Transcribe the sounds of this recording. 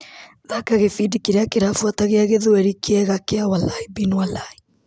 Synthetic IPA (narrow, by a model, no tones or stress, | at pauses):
ðakaɣefiːdikiɾeakeɾafuwataɣeaɣeðoɛɾikʰeɛɣakeawalaibinwalai